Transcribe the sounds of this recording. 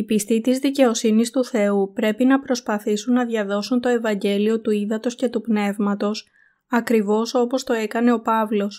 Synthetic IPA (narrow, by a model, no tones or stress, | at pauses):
ipist̪it̪izðice̞o̞sinist̪uθe̞upɾe̞pinɐpɾo̞spɐθisunːɐðʝɐðo̞sunt̪o̞e̞vɐɲɟe̞lio̞t̪uiðɐt̪o̞sce̞t̪upne̞vmɐt̪o̞s | ɐkɾivo̞so̞po̞st̪o̞e̞kɐne̞o̞pɐvlo̞s